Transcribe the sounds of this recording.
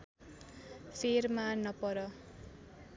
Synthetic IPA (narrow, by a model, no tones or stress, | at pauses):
sermanʌpʌɾʌ